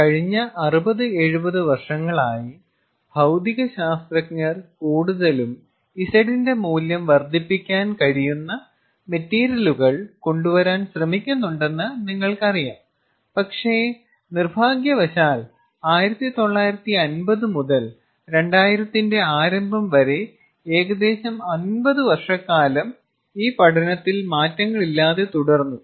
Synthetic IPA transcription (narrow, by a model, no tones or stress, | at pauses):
kɐɻiɲːɐʔɐrubɐðɨe̞ɻubɐðɨʋɐrʂɐŋːɐɭaːji | b̥ʱɐwd̪iɣɐɕaːst̪rɐkŋɐrkuːɽuðɐlum | isɐɽinde̞muːljɐmʋɐrd̪ʱipːikʲːaːnkɐɻijunːɐ | me̞tːeːɾjɐluɣɐɭko̞ɳɖuʋɐɾaːnɕrɐmikʲːunːuɳɖe̞nːɨniŋːɐɭkɐrijaːm | pɐkʂe̞ː | nirbʱaːɡjɐʋɐɕaːl | aːjiɾɐt̪ːit̪o̞ɭːaːjiɾɐt̪ːiɐnbɐðɨmuðɐl | ɾe̞ɳɖaːjiɾɐt̪ːinde̞aːɾɐmbʱɐmʋɐɾe̞ | eːɣɐd̪e̞ːɕɐmɐnbɐðɨʋɐrʂɐkːaːlɐm | iːpɐɽʰɐnɐt̪ːilmaːtːɐŋːɐɭilːaːðe̞t̪uɽɐrnːu